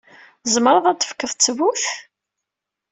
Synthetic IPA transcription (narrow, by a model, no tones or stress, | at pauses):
zˤəmɾˤəðˤæt͡s̪ːə̥fkːəðt͡sːəwuθ